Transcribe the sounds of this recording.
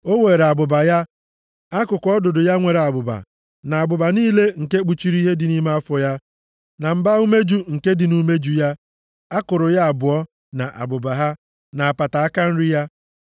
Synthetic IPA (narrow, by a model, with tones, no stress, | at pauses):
o˦we˨ɾa˨ɡ͡bʊ˨ba˨ja˦ | a˦kʊ˨kʷɔ˦dʊ˨dʊ˨ja˦ŋʷe˨ɾe˨a˨ɡ͡bʊ˨ba̰˨ | na˨a˨ɡ͡bʊ˨ba˨niː˦le˦ŋ̩˨ke˦k͡pu˨t͡ʃi˦ɾi˦ɦe˦dɪ˨ni˦m˦a˦fɔ˨ja˦ | na˨m̩˨ba˦u˦me˦d͡ʒu˦ŋ̩˨ke˦dɪ˨nu˦me˦d͡ʒu˨ja˦ | a˦kʊ˨ɾʊ˨ja˦a˨bʊ˨ɔ˦ | na˨ʔa̰˨ɡ͡bʊ˨ba˨ɦa˦ | na˨a˨pa˨ta˨a˦ka˦n̩˦ɾɪ˦ja˦